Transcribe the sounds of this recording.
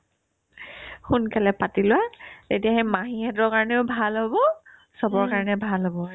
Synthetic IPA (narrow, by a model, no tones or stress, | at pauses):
xunkalɛpatilʊwatetijaɦɛmaɦiɛtɔɹkaɹɔnɛʊbʱalɦobɔ | sɔbɔɹkaɹɔnɛbʱalɦobɔ